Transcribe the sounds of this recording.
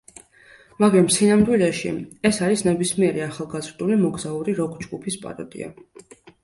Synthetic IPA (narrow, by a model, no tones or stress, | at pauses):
maɡɾamsinamd̪wilɛʃḭɛsaɾisnɛbismiɛɾiaχalˠɡazɾd̪ulimɔɡzauɾiɾɔɡʰd͡ʒɡupʰispʼa̰ɾɔd̪ḭa̰